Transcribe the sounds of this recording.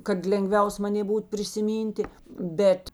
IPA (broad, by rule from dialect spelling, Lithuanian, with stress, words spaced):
kɐt lʲɛŋˈɡʋʲɛʊs mɐˈnʲeː ˈbuːt pʲrʲɪsʲɪˈmʲiːnʲtʲɪ ˈbʲɛt